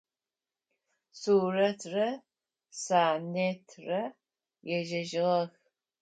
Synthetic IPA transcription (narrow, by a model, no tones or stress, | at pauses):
suːrɐtʰrɐ | saːnetʰrɐ | jɛʒɐʒɪʁɐx